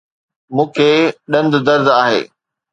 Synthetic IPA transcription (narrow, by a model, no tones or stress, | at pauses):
mũːkʰeːɗɐ̃nd̪d̪ɐɾd̪aːɦḛː